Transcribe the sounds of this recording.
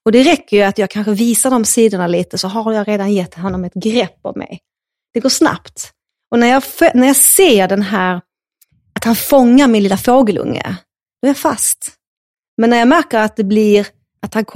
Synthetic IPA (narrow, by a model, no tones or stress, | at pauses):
ɔd̪ɛɾɛkʰːəɾjɵat̪jɑːɡ̚kʰanɧəviːsaɖɔmsiːd̪ʊɳaliːt̪əsɔɦajɑːɾeːd̪anjɛt̪ːɦɔnːɔmɛt̪ɡɾɛpːɔ̰mmɛ̰j | d̪̥ɛɡoːʂna̰pt̪ | ɔnæɾjɑfɛnæɾjɑseːɖɛnɦæːɾ | at̪hanfɔŋːaɾmɪnliːlafoːɡəlɵ̰ŋːə̰ | d̪ɔæɾjafa̰st̪ | mɛnːæɾjɑːmæɾkəɾat̪̚d̪ɛblɪɾ | at̪hankʰ